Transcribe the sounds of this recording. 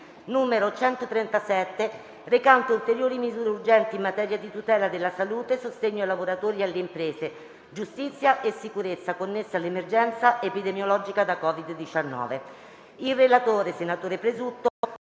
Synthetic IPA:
nuːmeɾot͡ʃɛnt̪ot̪ɾɛnt̪asɛt̪ːe | rekant̪oult̪eɾjoːɾimizuːɾeurd͡ʒɛnt̪iːmːat̪ɛːɾjad̪it̪ut̪ɛːlad̪elːasaluːt̪esost̪eɲːoajlavoɾat̪oːɾialːeimpɾeːze | d͡ʒust̪it̪sːjaʔesːikuɾet̪sːakonːesːealːemerd͡ʒɛnt̪saʔepid̪emjolɔd͡ʒikad̪akɔːvid̪ːit͡ʃanːɔ̰ːve | ilrelat̪oːɾesenat̪oːɾepɾezut̪ːo

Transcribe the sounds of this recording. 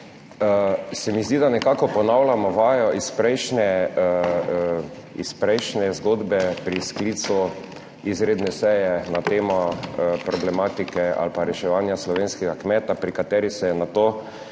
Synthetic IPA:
əsɛmizd̪id̪anɛkakɔpɔnawlamɔʋaːjɔʔispɾɛjʃnɛ | ispɾɛjʃnɛzɡod̪bɛpɾiskliːt̪su | izɾeːd̪nɛsɛjɛnat̪eːmɔpɾɔblɛmaːt̪ikɛa̰lpaɾɛʃɛʋanjaslɔʋeːnskɛɡakmɛːt̪apɾikat̪ɛːɾisɛɛnat̪oː

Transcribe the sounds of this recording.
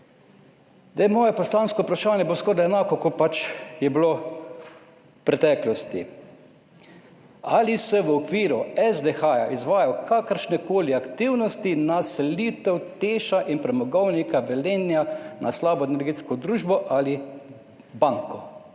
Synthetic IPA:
d̪ajmɔːjɛpɔslaːnskɔupɾaʃaːnjɛboskɔːɾd̪aɛnaːkɔkɔpat͡ʃjɛbilo | pɾɛt̪ɛːklɔst̪ḭ | alisɛʋəɔkʋiːɾuɛzd̪exaːjaʔizʋaːjakakəɾʃnɛkoːliakt̪iwnɔst̪inasɛliːt̪ɛwt̪eːʃaʔinpɾɛmɔɡɔwnikaʋɛleːnjanaslaːbɔenɛɾɡeːt̪skɔd̪ɾuːʒbɔʔali | baŋkɔ

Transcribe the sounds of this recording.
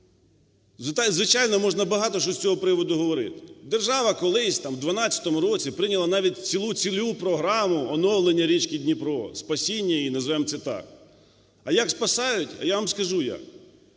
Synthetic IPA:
zt̪zʋɪt͡ʃɑjnɔmɔʒnɐbɐɦɑt̪ɔʃt͡ʃɔsʲt͡sʲɔɦɔpɾɪʋɔd̪ʊɦɔʋɔɾɪ̰t̪ɪ̥d̪erʒɑʋɐkɔlˠɪsʲt̪ɑmwd̪ʋɐnɑt͡sʲɐ̥t̪ɔmʊɾɔt͡sʲipɾɪnʲɐlˠɐnɑʋʲit̚ʲt͡sʲilˠut͡sʲilʲupɾɔɦɾɑmʊɔnɔwlˠenʲːɐɾʲit͡ʃkidʲnʲipɾɔspɐsʲinʲːɐinɐzʋɛmt͡sʲɛt̪ɑ̰k | ɐjɐkspɐsɑjʊtʲɐ̰jaʋɐmskɐʒujɐ̰k

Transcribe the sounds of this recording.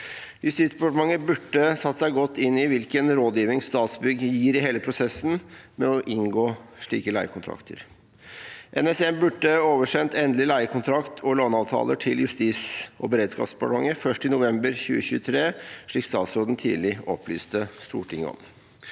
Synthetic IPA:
jʉst̪iːsd̪ɛpɑʈəmɑŋːəbʉʈːəsɑt̪ːə̥sæɪɡɔt̪ːɪnːɪʋɪlkənɾoːd̪jiːʋɪŋsst̪ɑːt̪sbʏɡjiːɾɪɦeːləpʰɾʊsɛsːn̩mɛɔʔɪŋɡoːʂɭḭːkəlæɪəkʰʊnt̪ʰɾɑ̰kt̪ʰə̰ɾ | ʔɛnɛsɛmbʉʈːəoːʋəʂɛnt̪ɛnd̪lɪlæɪəkʰʊnt̪ʰɾɑkt̪ʰɔloːnɑːʋt̪ʰɑ̰ːləʈʰɪljʉst̪iːsʔɔ̰bəɾeːd̪skɑ̰psd̪ɛ̥pɑʈəmɑ̰ŋːəfœʂʈɪnʊʋɛmbəɾçʉ̰ːəçʉːət̪ʰɾeːʂɭiːkst̪ɑːt̪sɾoːd̪n̩t̪ʰḭːdlɪɔpʰlyːst̪əst̪ṵːʈʰɪŋːə̰ɔ̰m

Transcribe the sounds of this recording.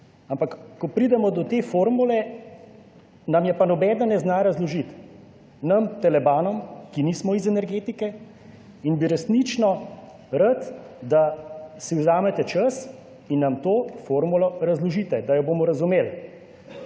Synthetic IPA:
ampakkɔpɾid̪ɛmɔd̪ɔt̪eːfoːɾmulɛ | nɐmjɛpanɔbɛːd̪ɐnɛznaɾazlɔʒit̪ | nɐmt̪ɛlɛbaːnɔmkiniːsmɔizɛnɛɾɡeːt̪ikɛ | inbiɾɛsnit͡ʃnɔ | ɾət̪ | d̪asiwzaːmɛt̪ɛt͡ʃəs | inːɐmt̪oːfoːɾmulɔɾazlɔʒiːt̪ɛd̪ajɔbomɔɾɐzumeːl

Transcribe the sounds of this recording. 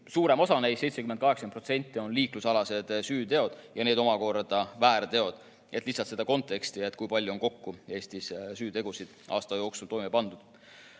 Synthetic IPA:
suːɾe̞mo̞sɑnejsejt̪se̞kyment̪kɑɦeksɑenpro̞t̪se̞nʲt̪ːˑio̞nliːklusɑlɑse̞d̪̥syːt̪e̞o̞d̪̥jɑne̞ːd̪o̞mɑko̞rd̪̥ɑvæːɾt̪e̞o̞d̪̥ | e̞t̪lihsːˑɑlt̪se̞d̪̥ɑko̞nt̪ˑːe̞kst̪ie̞t̪ːˑkujpɑlʲjuo̞nko̞kːue̞ːst̪issyːt̪e̞ɡ̥usid̪̥ʔɑ̰ːst̪ɑjo̞ːksult̪o̞jmepɑnd̪̥ud̪̥

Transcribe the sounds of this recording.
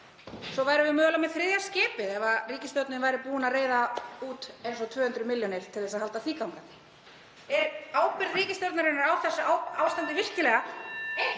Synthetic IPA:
sɔvaːjɾɪvɪmœːlamːɛðθɾɪðjḁscɪːpɪðɛvariːcɪst̪jɔwɾt̪nɪnvajɾɪpuːʏnareːjðauːt̪ejnsɔt̪ʰv̥œːhʏnt̪ɾʏmɪljɔnɪɾ̥t̪ʰɪlθɛs̬aðhalt̪aθiːkawmkat̪nɪ̥ | ɛɾaːwpɪɾðriːcɪst̪jɔɾt̪naɾɪnːaɾawθɛsːʏawaːwst̪ant̪ɪvɪr̥cɪlɛɣa

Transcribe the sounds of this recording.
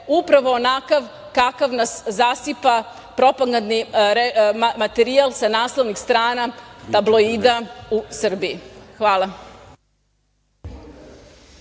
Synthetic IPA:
upɾaʋo̞ːnakaʋ | kakaʋnaszasipa | pɾo̞paɡand̪niɾemat̪eɾialˠsanaːslˠoʋnixst̪ɾaːnat̪ablˠoiːd̪ausr̩biixʋaːlˠa

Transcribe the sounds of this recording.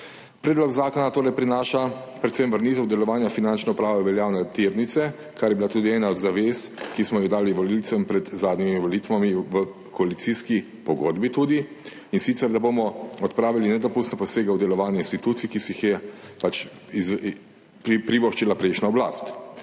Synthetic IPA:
pɾɛːd̪lɔɡzaːkɔnat̪oːɾɛjpɾinaːʃapɾɛt̪semʋəɾnit̪ɛwd̪ɛlɔʋaːnjafinant͡ʃnɛupɾaːʋɛʋɛljaːwnɛt̪iɾnit̪sɛ | kʰaɾjɛbilat̪uːd̪iɛːnaɔd̪zaʋeːskismɔjid̪aːliʋɔlilt̪sɛmpɾɛt̪zaːd̪nimiʋɔlit̪ʋamiʋə | kʰɔalit̪siski | pɔɡoːd̪bit̪uːd̪i | insit̪sɛɾd̪abomɔɔt̪pɾaːʋilinɛd̪ɔpust̪nɛpɔseːɡɛwd̪ɛlɔʋaːnjɛinst̪it̪uːt̪sijkisixjɛpat͡ʃ | z | ppɾiʋoʃt͡ʃilapɾeʃnaɔbla̰st̪

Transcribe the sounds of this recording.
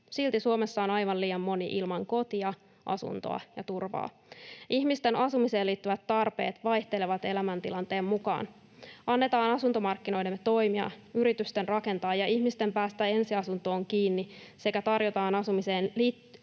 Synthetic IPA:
silt̪isuomesːɑonɑjʋɑnliːjɑmːo̞niʔḭlmɑŋko̞t̪iɑ | ʔɑ̰sṵnt̪o̰ɑ̰jɑt̪urʋɑ̰ː | içmist̪e̞nʔɑsumise̞ːliːt̪ːyʋæt̪ːɑrpe̞̰ːt̪ʋɑjht̪eleʋɑt̪e̞læmænt̪ḭlɑnt̪e̞ːmːukɑ̰ːn | ɑnːet̪ɑːnɑsunt̪o̞mɑrkːino̞jdemt̪o̞jmiɑ̰yɾit̪yst̪enrɑke̞nt̪ɑːjɑʔiçmist̪e̞mpæːst̪æe̞nsiɑsunt̪o̞ːŋkiːnːise̞kæt̪ɑrjot̪ɑːnɑsumise̞ːnliː

